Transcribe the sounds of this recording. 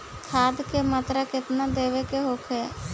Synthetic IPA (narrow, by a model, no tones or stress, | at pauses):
t̪ʰaːd̪kemət̪ɾakɪt̪nad̪eːʋekeɦokʰɛː